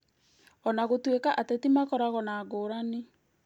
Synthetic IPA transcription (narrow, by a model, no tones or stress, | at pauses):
ɔnaɣotwekaʔatetimakɔɾaɣɔnaːɡoːɾane